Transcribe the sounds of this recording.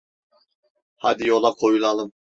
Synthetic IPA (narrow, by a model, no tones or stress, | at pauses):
had̪ijolˠakʰojulˠɑlˠɯm